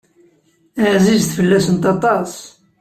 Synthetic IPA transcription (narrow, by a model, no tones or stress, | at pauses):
aʕzizθfəlːæsənt̪ɑt̪ˤɑs